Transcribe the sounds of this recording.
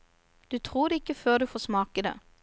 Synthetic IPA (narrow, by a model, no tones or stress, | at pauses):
d̪̥ʉːt̪ʰʁuːd̪ɛːɪkːəføːʁd̪ʉːfoːsmɑːkəd̪ḛː